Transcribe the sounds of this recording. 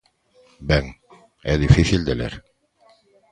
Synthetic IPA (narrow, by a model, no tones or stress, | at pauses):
bæŋ | æðifiθild̪ælæ̰ɾ